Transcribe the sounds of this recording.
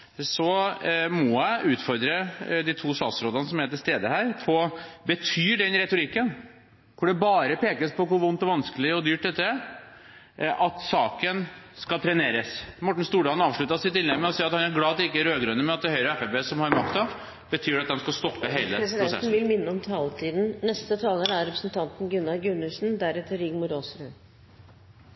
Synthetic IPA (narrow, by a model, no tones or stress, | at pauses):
sɔmɔjæɪʔʉːt̪fɔɾd̪ɾəd̪it̪ʰuːsɑ̰ːsɾoːd̪ənəsɔmæt̪ɪlst̪eːd̪əhæːɾpʰɔbət̪ʰyːɖɛnɾɛt̪ʊɾɪkːən | kʰʊɖɛbɑːɾəpʰeːkəspʰɔkʊɾʋʊnt̪ɔʋɑnskəlɪɔd̪yːʈ̪ːɛt̪ːədɛ | ʔɑt̪sɑːkənskɑlt̪ʰɾɛneːɾəsmɔʈːɳ̩st̪uːɖɑːnɑːʋʂɭʉt̪ɑsɪt̪ɪnɛməɔsiːɾɑt̪hɑnæɾɡlɑːɑt̪d̪ɛɪkːəæɾøːɡɾœnːəmɛɑt̪̚d̪ɛhœʏɾəɛfɛbeːsɔmhɑɾmɑkt̪ɑʋ | b̥ət̪ʰyːɾɑt̪̚d̪ɛmskɑst̪ɔpːəɦeɪləɾɛsɪd̪ɛɾʊsɛ̰n̩ʋɪlmɪnːəɔmt̪ʰɑːlt̪ʰiːd̪n̩nɛst̪ət̪ʰɑːləɾæɾɾɛpɾə̥snt̪ʰɑnt̪n̩ɡʉnːɑlɡʉnːʉsn̩d̪æɾɛt̪əɾɪɡmʊɾoːsɾʉn